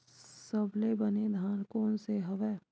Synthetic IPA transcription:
səblebɐned̪ʱaːnkɔːnseɦɐʋɛː

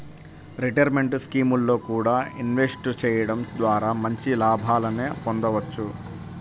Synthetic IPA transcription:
ɾiʈɐɾme̞ɳʈskiːmulːo̞ːkuːɽaːinʋe̞sʈt͡ʃɛːjɐɽɐmd̪ʋaːɾaːmɐɲt͡ʃilaːbʱaːlɐneːpond̪ɐʋɐt͡ʃːu

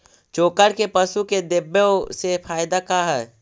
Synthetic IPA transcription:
t͡ʃoːkəɾkepɐʃuked̪ɪbːjesefʰaːjd̪akaɦɛː

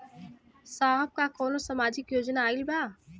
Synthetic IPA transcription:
saːɦəb̚kakɔːnosɐmaːd͡ʒɪkjoːd͡ʒnaːɪlbaː

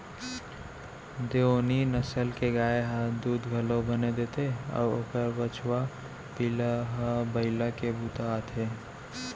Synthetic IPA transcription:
d̪eoninəsəlkeɡaːeɦə̃d̪uːd̪ɡʱəlõbəned̪eːt̪eɔ̰ːɾoːkəɾbət͡ʃwa | pilaɦabəɪlakebuːt̪at̪ʰeː

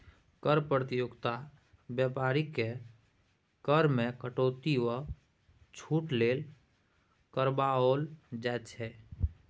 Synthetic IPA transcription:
kəɾpɾət̪ijʊɡt̪a | bjɛpaːɾike | kəɾmekəʈoːt̪iwə | t͡ʃʰuːʈleːl | kəɾbaold͡ʒɛt͡ʃʰɛ

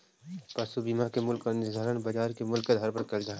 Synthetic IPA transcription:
pɐsubiːmakemʊlkːanɪsd̪ʱaɾənbɐd͡ʒaːɾkemʊlkːed̪ʱɐɾpɐɾkɐɾd͡ʒaɦ

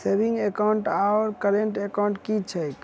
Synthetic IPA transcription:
sebĩŋɡekaʊɳʈaɔɾkəɾeɳʈekaʊ̃ɳʈkit͡ʃʰəjk

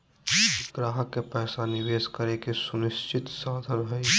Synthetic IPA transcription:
ɡɾaːɦəkːepɛːsanɪʋeːskəɾekesʊnɪst͡ʃʰɪt̪saːd̪ʱəɾɦɛi

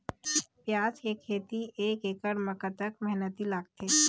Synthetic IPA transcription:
pjaːt͡ʃjekʰːeːt̪ieːkeːkəɽməkət̪əkmɛɦnət̪ilaːɡ̚t̪eː

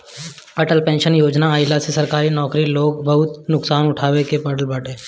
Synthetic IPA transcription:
ɐʈəlpɛ̃ːnʃənjoːd͡ʒnaaːɪlasesɐɾkaːɾinɔːkɾiloːɡbɐɦʊt̪nʊksaːnʊʈʰaːʋekepɐɽəlbɐʈẽː

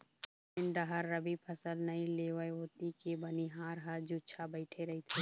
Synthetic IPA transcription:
ɪ̃nɖɐɦəɾːɐbipʰɐsəlnɐɦĩleːʋəeɦoːt̪ikebɐniɦaːɾɦɐɾd͡ʒuːt͡ʃʰabɛɪʈʰeɾɐɦit̪ʰe

